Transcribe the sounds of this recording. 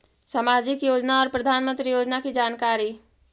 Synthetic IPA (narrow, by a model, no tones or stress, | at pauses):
samaːd͡ʒɪkjoːd͡ʒnaɔːɾpɾɐd̪ʱaːnmə̃nt̪ɾijoːd͡ʒnakid͡ʒaːnkaːɾi